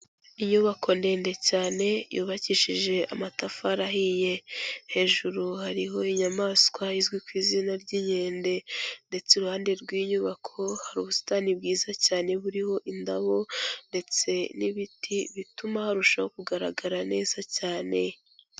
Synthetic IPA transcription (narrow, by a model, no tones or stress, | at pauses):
iɲuβako̞nde̞ːnde̞caːne̞jṵːβaciʃiʒe̞ʔamatafaɾaɦije̞he̞ːʒuɾuhaɾiɦo̞iɲamaːskwaizɡwikwiːzinaɾɟiːɲe̞ːnde̞nde̞t͡seɾuhaːnde̞ɾɡwiːɲuβakʰo̞haɾuːβusi̥taːnib̚ɡiːzacaːne̞βuɾiho̞ʔindaβo̞nde̞t͡se̞niβitʰiβitumahaɾuʃaho̞kuɡaɾaɡaɾane̞ːzacaːne̞